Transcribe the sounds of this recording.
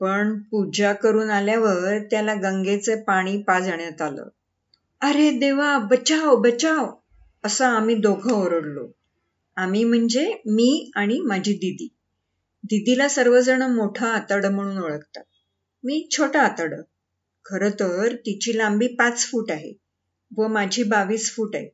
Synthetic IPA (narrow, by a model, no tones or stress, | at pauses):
pəɳpud͡ʑakəɾuːnaljaʋəɾt̪jalaɡəŋɡet͡sepaɽ̃iːpad͡zəɳjat̪alə̰ː | əɾed̪eʋabət͡ɕawbət͡ɕaw | əsəamiːd̪oɡʱəoɾəɽlo̰ | amiːm̤əɳd͡zemiːaɽ̃imad͡ʑʱiːd̪id̪iː | d̪id̪ilasəɾʋəd͡zəɳəmoʈʰaat̪əɽəm̤əɽ̃uːnoɭəkt̪a | miːt͡ɕʰoʈəːt̪əɽəː | kʰəɾət̪əɾt̪it͡ɕiːlambiːpat͡sfuːʈaɦḛ | ʋəmad͡ʑʱiːbaʋiːsfuːʈa̰ɦḛ